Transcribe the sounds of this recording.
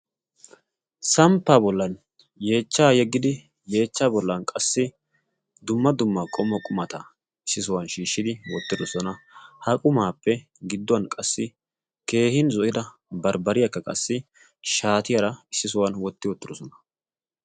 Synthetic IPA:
sɐmpːaːbɔlːɐn | je̞ːt͡ʃːaːjɛɡːɪd̪ɪ | je̞ːt͡ʃːaːbɔlːɐnkʼɐsːɪ | d̪ʊmːɐd̪ʊmːakʼɔmːɐkʼʊmɐt̪ɐ | ɪsːɪsʊwanʃiːʃːɪd̪ɪwɔt̪ːɪd̪ɔsɔnɐhɐkʼʊmaːpːɛ | ɡɪd̪ːɔɐnkʼɐsːɪ | ke̞ːhɪnzɔʔɪd̪ɐ | bɐɾbɐɾɪjɐkːɐkʼɐsːɪ | ʃaːt̪ɪjɐɾɐɪsːɪsʊwɐnwɔt̪ːɪwɔt̪ːɪd̪ɔsɔnɐ̥

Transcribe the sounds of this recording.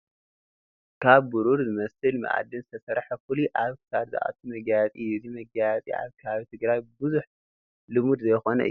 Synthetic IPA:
kʰaβbuɾuɾzɨmɐsɨlmɨ̰ʔa̰d̪ːɨnzɨt̪ʰɐsɐɾħɐfuliʔaβkʰɨ̥sad̪zɨ̰ʔa̰t̪ʰumɐɡjat͡sʼizimɐɡat͡sʼḭa̰βkʰɐβaβit̪ʰɨɡɾajbɨzuħ | lɨmud̪zɐjxo̞nɐ̰ʔɨ̰jːu

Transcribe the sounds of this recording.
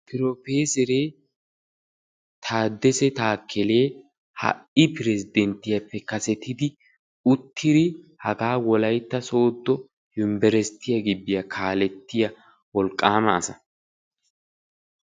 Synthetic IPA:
pɪɾopeːsɛɾeː | t̪ʰaːd̪ːɛsɛt̪aːkʰːɛle̞ː | hɐ̰ʔɪpɪɾɛsɪd̪ɛnt̪ɪjɐpːɛkɐsɛt̪ːɪd̪ɪ | ʊt̪ʰːɪɾɪ | hɐɡaːwɔlɐjt̪ːɐso̞ːd̪ːɔ | jʊmbɛɾɛst̪ːɪjɐɡɪbːɪjɐkʰaːlɛt̪ːɪjɐ | wɔlkʼːaːmɐːsɐ

